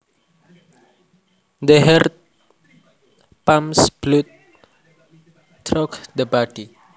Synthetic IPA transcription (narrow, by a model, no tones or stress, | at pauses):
d̪əɦɛrt̪ | pãmsb̥lut̪̚ | tɾɔkd̪əbadi